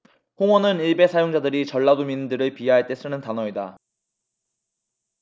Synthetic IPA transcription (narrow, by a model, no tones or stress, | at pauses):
hoŋwʌnɯniɭbe̞sʰajoŋd͡ʑadɯɾit͡ɕʌɭːadomindɯɾɯɭpiɦaɦaɭt͈e̞s͈ɯnɯntanʌida̰